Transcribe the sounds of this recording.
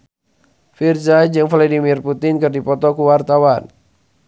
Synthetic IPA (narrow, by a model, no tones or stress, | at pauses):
firzad͡ʒɨŋfɛlɔdimirput̪ɪnkɨrdipɔt̪ɔkuwart̪awan